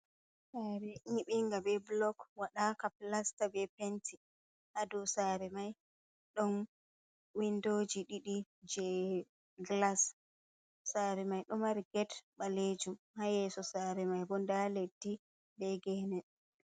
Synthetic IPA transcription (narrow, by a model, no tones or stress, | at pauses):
saɾɛʔiŋɓiŋɡabɛblɔkwaɗakaplastabɛpenti | hadusaːɾɛmaj | ɗɔn | windod͡ʒiɗiɗid͡ʒɛ | ɡlasː | aɾɛmajɗɔmaɾiɡɛtɓaled͡ʒum | hajɛsɔsaɾɛmajbɔndaledːi | bɛɡɛːnɛ